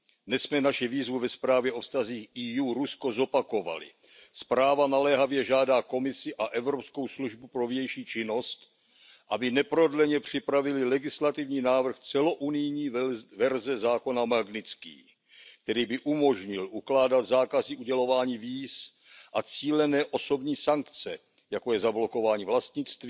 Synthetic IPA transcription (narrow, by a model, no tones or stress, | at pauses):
dnɛssmɛnaʃɪviːzvuvɛspɾaːvjɛʔo̞fst̪aziːxʔiːjuːɾusko̞zo̞pako̞va̰lɪ̰ | spɾaːvanalɛɦavjɛʒaːdaːko̞mɪsɪʔaʔɛvɾo̞psko̞wsluʒbupɾo̞vjɛjʃiːt͡ʃɪno̞st̪ | ʔabɪnɛpɾo̞dlɛɲɛpr̝̥ɪpɾavɪlɪlɛɡɪslat̪ɪvɲiːnaːvr̩xt͡sɛlo̞ʔunɪjɲiːvɛɾzɛzaːko̞namaɡnɪt͡skḭː | k̚t̪ɛɾiːbɪʔumo̞ʒɲɪlʔuklaːdat̪zaːkazɪʔuɟɛlo̞vaːɲiːviːs | ʔat͡siːlɛnɛːʔo̞so̞bɲiːsaŋkt͡sɛ | jako̞jɛzablo̞ko̞vaːɲiːvlast̪ɲɪt͡st̪viː